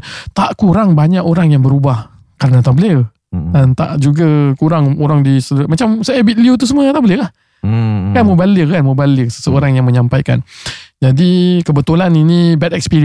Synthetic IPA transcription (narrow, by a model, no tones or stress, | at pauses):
t̪aʔkuɾaŋbaɲaʔoɾaŋjaŋbəɾubah | kaɾənat̪abələr | ənt̪a̰ʔd͡ʒuɡakuɾaŋoɾaŋdisələmat͡ʃamsaabit̪̚liut̪̬us̬əmət̪abələlah | kanməbalirkanməbaləsə̥səoɾaŋjaŋmə̃ɲampajka̰nd͡ʒadikəbət̪ulaninĩbɛt̪ɛkspiɾi